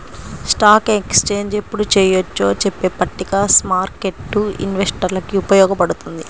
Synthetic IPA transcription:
sʈaːkekst͡ʃe̞ːɲd͡ʒe̞pːuɽut͡ʃɛːjɐt͡ʃːo̞ːt͡ʃepːe̞ːpːɐʈːikasmaːɾke̞ʈːuḭnʋe̞sʈɐɾlɐkiupɐjɔːɡɐpɐɽut̪und̪i

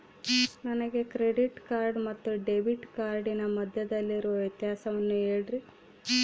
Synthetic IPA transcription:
nɐnɐɡe̞kɾeɖiʈkaːɾɖmɐt̪ːuɖebiʈkaːɾɖinɐmɐd̪ʱjɐd̪ɐlːiɾuʋɐʋjɐt̪jaːsɐʋɐnːueːɽiɾi

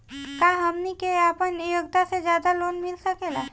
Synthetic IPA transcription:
kaɦəmnikeaːpənːijoɡ̚t̪ased͡ʒjaːd̪aloːnmɪlsəkeːlaː

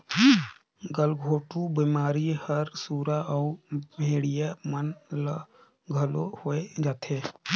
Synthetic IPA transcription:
ɡəlɡʱoːʈubimaːɾihəɾsuːɾaɔːmʱeːɽijamənl | ɡʱəlohoːed͡ʒaːt̪ʰeː

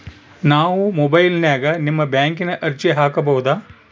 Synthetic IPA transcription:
naːʋumoːbɐjlnjaːɡɐnimːɐbjaːŋkinɐʔɐɾt͡ʃiɦaːkɐbɐwud̪aː

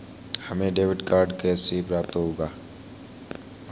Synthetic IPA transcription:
hɐmẽɖeːʋɪɖkaːɾɖkeseːpɾaːp̚t̪oɦoːɡaː

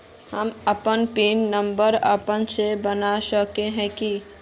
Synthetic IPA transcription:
həməpənpiːnːə̃mbəɾə̰pənsebənaʃəkeɦɛ̃ki

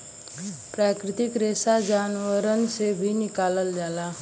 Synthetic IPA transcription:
pɾakɾit̪ikɾesad͡ʒanʋəɾənsebʱiːnikaləld͡zala

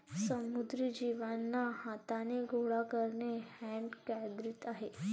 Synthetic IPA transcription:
səmud̪ɾid͡ʑiːʋanːahat̪aneɡʱoɽakəɾnehɛɳʈkad̪ɾit̪aɦe

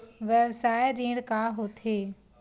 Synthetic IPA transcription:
ʋɛʋsaːeɾĩːɽkaːɦot̪ʰeː

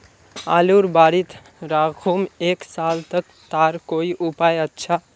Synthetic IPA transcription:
a̰luɾbaɾit̪ | ɾaɡʰʱumeksalt̪ək | t̪aɾkoiʔupajətːt͡ʃʰa

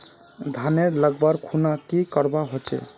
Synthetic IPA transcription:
d̪ʱaneɾləɡ̚bəɾkʰunakikəɾbaɦot͡ʃɛ̰

